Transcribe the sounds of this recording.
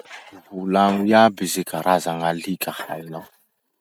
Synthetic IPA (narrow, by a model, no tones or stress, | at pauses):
vulaŋujabizikaɾazaŋalikaha̰inɔ